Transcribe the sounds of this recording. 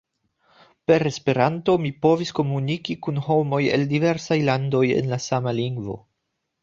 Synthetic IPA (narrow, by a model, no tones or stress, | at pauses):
pe̞ɾe̞spe̞ɾanto̞mipo̞visko̞munikikunho̞mo̞jḛldive̞ɾsajlando̞je̞̰nlasamaliŋɡvo̞̰